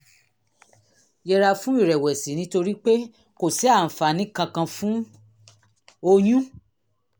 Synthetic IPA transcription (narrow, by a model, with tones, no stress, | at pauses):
jɛ˧ɾa˧fũ˦i˦˨ɾɛ˨wɛ˨si˨˦nĩ˦to˧ɾi˦k͡pe˦ | ko˨si˨˦a˦˨n̩˨fa˨nĩ˦kã˧kã˧fũ˦ | o˧jũ˦